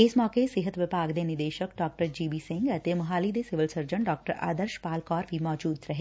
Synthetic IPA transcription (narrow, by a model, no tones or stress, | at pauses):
ɪsmɔːkesɪɦət̪ʋɪpaːɡd̪enɪd̪eːʃəkɖɔːk̚ʈəɾd͡ʒiːbiːsɪ̃ŋɡɐt̪emɐɦaːlid̪esɪʋəlsəɾd͡ʒəɳɖɔːk̚ʈəɾa̰ːd̪əɾʃpaːlkɔːɾbʱimɔːd͡ʒuːd̪ɾɐɦeː